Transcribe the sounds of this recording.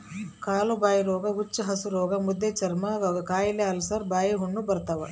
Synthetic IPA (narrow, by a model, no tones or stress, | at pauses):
kaːlubaːjiɾoːɡɐut͡ʃːɐɦɐsuɾoːɡɐmud̪ːet͡ʃɐɾmɐɡɡɐkaːjileɐlsɐɾbaːjɐɦuɳːubɐɾt̪ɐʋɐ